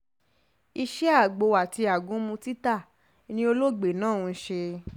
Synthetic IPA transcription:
i˧ʃɛ˦a˦˨ɡ͡bo˨˧˨wa˨ti˧a˨ɡũ˨˦mũ˧ti˦ta˦˨ | nĩ˧o˧lo˦ɡ͡be˨nãː˦˨ũ˨˧˦ʃe˧

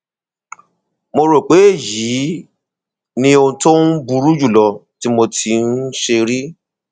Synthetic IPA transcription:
mo˧ɾo˨k͡pe˨˦e˦˨ji˨˦ | nĩ˧õ˧to˦n̩˦bu˧ɾu˦d͡ʒu˦˨lɔ˧˨ti˦mo˧tʰi˧n̩˦ʃe˧ɾi˦

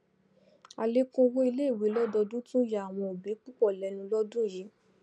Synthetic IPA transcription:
a˨le˦kũ˦˧wo˦i˧le˦i˦˨we˨˦lɔ˦dɔ˧dũ˦tũ˦ja˨a˨w̃ɔ̃˧o˨bi˨˦k͡pu˦k͡pɔ˦˨lɛ˨˧nũ˧lɔ˦dũ˦˨ji˨˦

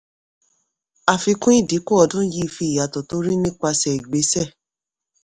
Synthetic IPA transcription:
a˧fi˧kũ˦i˦˨di˨˦ko˦ɔ˧dũ˦ji˦˧˨fi˧˨ja˨tɔ˨to˨˦ɾi˦nĩ˦k͡pa˧sɛ˨i˨ɡ͡be˨˦sɛ˦˨

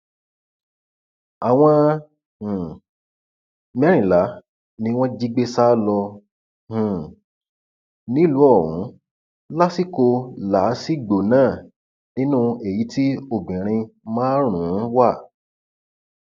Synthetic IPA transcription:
a˨w̃ɔ̃˧ | hũ˨ | mɛ̃˦ɾ̃ĩ˨la˨˦ | nĩ˧w̃ɔ̃˦d͡ʒi˦ɡ͡be˦sa˦lɔ˧ | hũ˨ | nĩ˨˦lu˨˦ɔ˦˨ɾṵ̃˨˦ | la˦si˦ko˧la˨˦si˦ɡ͡bo˨nãː˦˨ | nĩ˦nũ˦e˨ji˨˦ti˦o˦˨bĩ˨ɾ̃ĩ˧mãː˦ɾ̃ũ˨˦wa˦˨

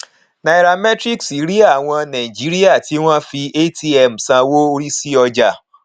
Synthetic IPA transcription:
na˨i˨ɾa˨mɛ˦tɾi˦ksi˨˦ɾi˦a˦˨w̃ɔ̃˧nã˨i˨d͡ʒi˨˦ɾi˦a˦˨ti˨˦w̃ɔ̃˦fi˧e˦ti˦ɛ˨m̩˨sã˧wo˦o˧ɾi˦si˦ɔ˧d͡ʒa˨

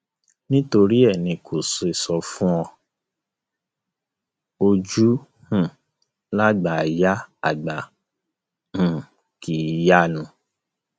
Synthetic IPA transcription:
nĩ˦to˧ɾi˦ɛ˦˨nĩ˧kʰo˨so˨e˨sɔ˧fũ˦ɔ˧ | o˧d͡ʒu˦ | hũ˦˨ | la˦ɡ͡ba˨ja˦a˦˨ɡ͡ba˨ | h̩˨ | kʰi˨˦ja˦˨nũ˧

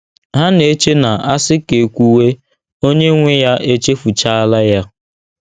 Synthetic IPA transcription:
ɦa˦ne˨˦t͡ʃe˦na˨a˦sɪ˦ke˨kʷu˦we˦ | o˦ɲe˦ŋʷɪ˦ja˦ʔe˦t͡ʃe˦fu˨t͡ʃa˦a˦la˦ja˦

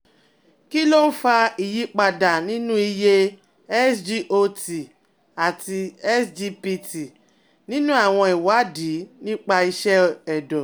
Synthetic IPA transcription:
ki˦lo˦n̩˦fa˧i˨ji˨˦k͡pa˧da˨nĩ˦nũ˦i˧je˦ | ɛ˦sd͡ʒi˦ʔo˧ti˨ | a˨ti˧ɛ˦sd͡ʒi˧pi˧ti˨ | nĩ˦nũ˦a˦˨w̃ɔ̃˧i˨wa˨˦di˨˦nĩ˦k͡pa˧i˧ʃɛ˦ɛ˨dɔ˨

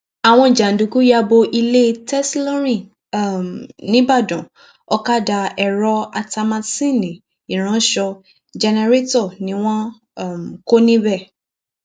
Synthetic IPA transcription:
a˨w̃ɔ̃˧i˨d͡ʒa˨n̩˨du˨ku˨˦ja˧bo˧ʔi˧le˦tɛ˦slõ˦ɾ̃ĩ˦˨ | mnĩ˨˦ba˦˨dɔ̃˨ | ɔ˧ka˦da˧ɛ˨ɾɔ˧a˧ta˧mã˧sĩ˦˨nĩ˨ | ĩ˨ɾ̃ã˨˦ʃɔ˧ | d͡ʒɛ˧nɛ˧ɾe˦tɔ˦˨nĩ˨˦w̃ɔ̃˦˨ | m˨ko˦nĩ˦bɛ˦˨

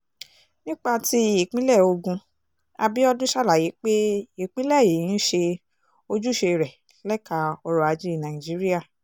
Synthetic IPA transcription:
nĩ˦k͡pa˧ti˦i˨k͡pĩ˦lɛ˦˨o˧ɡũ˧ | a˧bi˦ɔ˧dũ˦ʃa˦la˨ji˨˦k͡pe˦i˦˨k͡pĩ˦lɛ˦˨je˨˦ĩ˦ʃe˧ | o˧d͡ʒu˦ʃe˧ɾɛ˨ | lɛ˦ka˧ɔ˧ɾɔ˧a˨˧d͡ʒi˦i˦˨nã˨ĩ˨d͡ʒi˨˦ɾi˦a˦˨

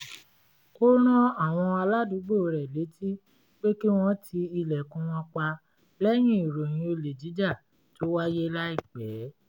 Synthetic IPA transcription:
ko˦ɾ̃ɔ̃˦a˦˨w̃ɔ̃˧a˧la˦du˨˦ɡ͡bo˦˨˧ɾɛ˨le˨˦tʰi˦ | k͡pe˦ki˦w̃ɔ̃˦tʰi˧i˧lɛ˨kũ˧wɔ̃˧k͡pa˧ | lɛ˦j̃ĩ˦i˨ɾo˨j̃ĩ˧o˧le˨d͡ʒi˨˦d͡ʒa˦˨ | to˦wa˦je˦la˦i˦˨k͡pɛː˨˦

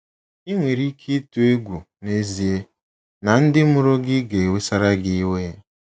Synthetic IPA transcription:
i˦ŋʷe˨ɾi˦kʰi˦tu˦e˦ɡʷu˨ | ne˦zi˨e˦ | na˨n̩˦dɪ˦mʊ˦ɾo˦ɡɪ˦ɡe˨e˨we˦sa˦ɾa˦ɡɪ˦we˦

